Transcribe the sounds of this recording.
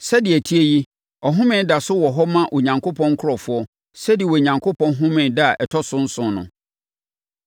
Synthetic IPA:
sɛ˦dɪ˨æ˨tʰi˦e˦ji˦ | ɔ˨ɦʊ̃˦mɪ̃˦da˨sʊ˦wɔ˨ɦɔ˦mã˦ʔɔ˨ɲã˨ŋkʰo˦pʰɔ̃˦ŋ˦kʰʊ˦ɾɔ˨fʊ˦ɔ˦ | sɛ˦dɪ˨e˨wɔ˨ɲã˨ŋkʰo˦pʰɔ̃˦nɦʊ̃˦mɪ̃˨da˦a˨ʔɛ˨tʰɔ˦sʊ̃˦n̩˦sʊ̃˨nʊ̰̃˨

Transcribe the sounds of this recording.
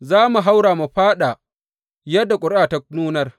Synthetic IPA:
zaː˦mu˨ɦa˦wɽaː˨mu˨ɸaː˦ɗa˨ | jɐ˦dːa˨kʷʼʊ˨˦ɾʔaː˨ta˦nuː˦nɐ˦r

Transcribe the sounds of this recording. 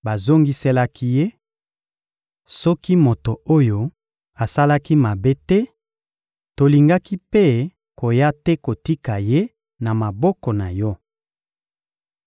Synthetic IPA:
ba˨zo˦ŋɡi˦sɛ˦la˦kʰi˦je˦ | sɔ˦ki˦mo˨to˨o˦jo˨ | a˨sa˦la˦ki˦ma˨be˦tɛ˦ | to˨li˨ŋɡa˦ki˦pe˦ | ko˨ja˦tɛ˦ko˨ti˦ka˨je˦ | na˨ma˨bɔ˦kɔ˨na˨jɔ˦

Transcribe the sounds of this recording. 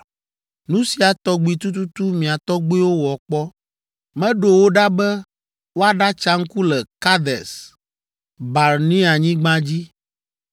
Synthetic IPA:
nũ˦si˨a˨t̪ɔ˦ɡ͡bi˨t̪u˦t̪u˦t̪u˦mĩ˨a˨t̪ɔ˦ɡ͡bi˦wo˦wɔ˨k͡pɔ˦ | mɛ̃˦ɖo˨wo˦ɖa˦bɛ˦ | wo˦a˨ɖa˦t͡ʃa˦ŋ̩˦ku˦lɛ˨ka˦d̪ɛ˨s | ba˨ɾnĩ˦a˨ɲĩ˦ɡ͡bã˦d͡ʑi˦

